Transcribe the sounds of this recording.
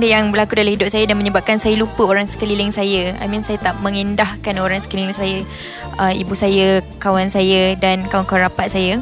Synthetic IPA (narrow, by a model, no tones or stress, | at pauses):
dəjaŋbəlakudalamhidʊp̚sajədanməɲəbap̚kansajəlupəoɾaŋsə̥kəlilɪŋsajəa̰minsajət̪aʔmə̃ŋindahkanoɾaŋsə̥kəlilɪŋsaja | əmibusajəkawansajədankawankawaɾapat̪̚saja